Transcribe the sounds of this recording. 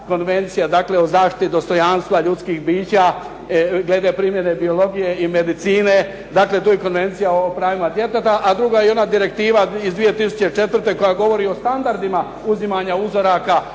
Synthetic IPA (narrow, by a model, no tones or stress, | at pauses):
ko̞nʋe̞nt̪sijad̪aːkle̞ozaːʃt̪i̥t̪id̪o̞st̪o̞janst̪ʋaʎut̪skiːxbiːt͡ɕa | ɡle̞d̪apɾimje̞ne̞bio̞lo̞ɡije̞ime̞d̪it̪siːne̞ | d̪aːkle̞t̪̬uːjeko̞nʋe̞nt̪sijaopɾaːʋimad̪je̞t̪et̪aʔad̪ɾuɡajeo̞nad̪iɾe̞k̚t̪iːʋaizd̪ʋije̞t̪isu̥t͡ɕe̞t͡ʃe̞t̪ʋər̩t̪e̞ko̞jaɡo̞ʋo̞ɾio̞st̪and̪aɾd̪ima | uzimaɲauzo̞ɾaka